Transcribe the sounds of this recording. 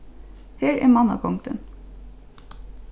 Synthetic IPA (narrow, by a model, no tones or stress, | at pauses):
heːɹæ̰ːmɑnɑ̰kʰɔŋd̪ə̰n